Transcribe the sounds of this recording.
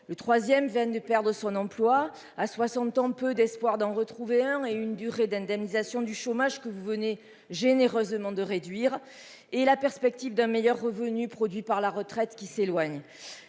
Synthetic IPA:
lət̪χwazjɛmvjɛnd̪əpɛʁd̪ʁəsɔ̃nɑ̃plwa | aswasɑ̃t̪ɑ̃pød̪ɛspwaʁd̪ɑ̃ʁət̪χuveɛ̃eynd̪yʁed̪ɛ̃d̪ɛmnizasjɔ̃d̪yʃomaʒkəvuvəne | ʒeneʁøzmɑ̃d̪əʁed̪ɥiʁ | ɛlapɛʁspɛk̚t̪ivd̪ɛ̃mejœʁːəvənypχɔd̪ɥipaʁlaʁət̪χɛt̪kʲiselwaɲ

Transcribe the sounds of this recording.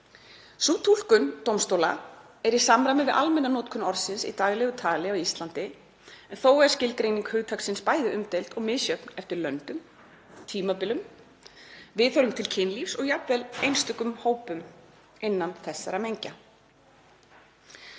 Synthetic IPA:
sut̪ʰul̥kʏnt̪owmst̪owla̰ | ɛɾisamɾamʏvɪʔa̰lmɛnːanɔːt̪kʰʏnɔɾsɪnsḭt̪aːɣlɛɣʏt̪ʰaːlɪawist̪lant̪ɪ | ɛnθoːwɛɾ̥scɪlkɾejniŋkhʏɣt̪ʰaksɪnspaːjðɪʔʏmt̪ejlt̪ɔɣmɪðsjœpnɛft̪ɪɾlœnt̪ʏm | t̪ʰiːmapɪlʏm | vɪðθœɾʏmt̪ʰɪlcʰɪnlifsɔɣjapvɛlejnst̪ʰʏkːʏmhoːwpʏm | ɪnːanθɛsːa̰ɾamejɲca

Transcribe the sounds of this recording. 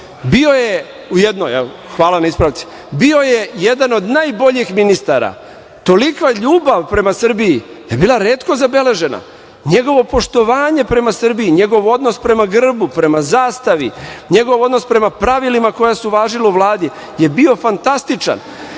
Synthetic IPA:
bio̞je | ujed̪noja | xʋaːlanaispɾaʋt̪si̥ | bio̞je̞jed̪ano̞d̪najbo̞ʎixminist̪a̰ɾa̰ | t̪o̞likʋaʎuːbaʋpɾe̞masr̩bii | jebiːlˠaɾeːt̪ko̞zabe̞le̞ʒe̞na̰ | ɲe̞ɡo̞ʋo̞po̞ʃt̪o̞ʋaːɲe̞pɾe̞masr̩biiɲe̞ɡo̞ʋo̞d̪nospɾe̞maɡr̩bupɾe̞mazaːst̪aʋiɲe̞ɡo̞ʋo̞d̪no̞spɾe̞mapɾaʋilimako̞jasuʋaːʒilauʋlˠaːd̪i | je̞bio̞fant̪ast̪it͡ʃa̰n

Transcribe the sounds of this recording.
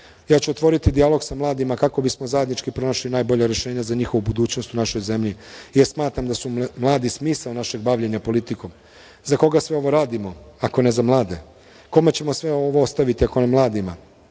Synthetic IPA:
jaːt͡ɕuot̪ʋo̞ɾit̪id̪ialˠo̞ɡsamlˠaːd̪imakako̞bismo̞zajed̪nit͡ʃkipɾo̞noʃlinaːjbo̞ʎaɾe̞ʃe̞ːɲazaɲixo̞ʋubud̪uːt͡ɕno̞st̪unaʃo̞jze̞mʎijeɾsmaːt̪ɾamd̪asumlˠaːd̪ismiːsaonaʃe̞ɡbaʋʎe̞ɲapo̞lit̪ikom | zako̞ɡasʋeo̞ʋo̞ɾaːd̪imo̞ako̞ne̞zamlˠaːd̪e̞ | ko̞me̞t͡ɕe̞mo̞sʋeoʋoost̪aʋit̪iako̞namlˠaːd̪ima̰

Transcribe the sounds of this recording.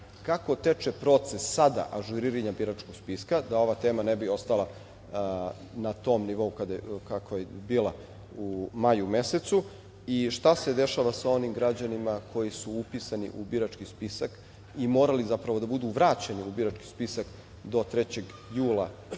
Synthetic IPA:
kako̞t̪et͡ʃepɾo̞t̪se̞sːad̪a̰ʔaʒuɾiɾeɲabiɾat͡ʃko̞ɡ̥spiskad̪ao̞ʋat̪e̞ːmanebio̞st̪alˠa | nat̪o̞mniʋo̞ukad̪akakʰojebiːlˠa | umajume̞se̞t̪su | iʃt̪ase̞d̪e̞ʃaʋasao̞nimɡɾad͡ʑanimakʰo̞jisuupisanḭʔubiɾat͡ʃkispisak | imo̞ːɾalizapɾaʋo̞d̪abud̪uʋɾaːt͡ɕeniubiɾat͡ʃki̥spisak | d̪o̞t̪ɾet͡ɕe̞ɡ | juːlˠa

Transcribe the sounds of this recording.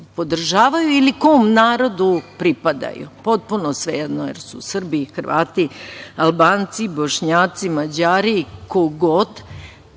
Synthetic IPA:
po̞d̪r̩ʒaːʋajuilikoːmnaːɾo̞d̪upɾipad̪a̰jṵpo̞t̪̚punosʋed̪nojḛɾsusr̩biːxr̩ʋa̰ːt̪ialbaːnt̪siboʃɲaːt̪simad͡ʑaːɾiːkoɡod̪

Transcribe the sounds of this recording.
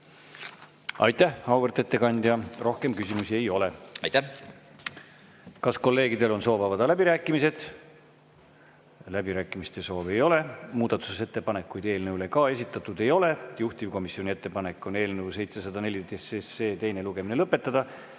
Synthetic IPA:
ɑ̰jt̪ːæhhɑwvert̪e̞t̪ːe̞kɑnʲd̪̥jɑro̞hke̞mkysimusie̞jo̞le̞t̪æ | kɑsko̞lːe̞ːɡid̪e̞lo̞nso̞ːvɑvɑd̪̥ɑlæbiɾæːkːˑimise̞d̪̥ | læbiɾæːkːˑimist̪eso̞ːve̞jo̞le̞muːd̪̥ɑt̪ːˑusese̞t̪ːe̞pɑne̞kːˑujd̪̥e̞ːlnewlekɑːe̞s̬ʲit̪ːˑɑt̪ːˑud̪e̞jo̞le̞juht̪ivko̞misːio̞nʲie̞t̪ːe̞pɑne̞kːˑo̞ne̞ːlnewse̞jt̪se̞sɑd̪̥ɑne̞lʲit̪esesːeːt̪e̞jne̞luɡ̥e̞mine̞lɤpːe̞t̪ːˑɑd̪̥ɑ

